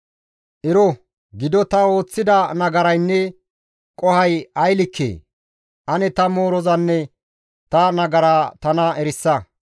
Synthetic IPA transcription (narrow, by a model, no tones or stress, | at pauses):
ʔɪɾɔ | ɡɪd̪ɔt̪ɐo̞ːt͡sːɪd̪ɐnɐɡɐɾɐjnːɛ | kʼɔhɐjɐjlɪkʰːḛː | ʔɐnɛt̪ɐmo̞ːɾɔzɐnːɛ | t̪ɐnɐɡɐɾaːt̪ɐnɐɛɾɪsːɐ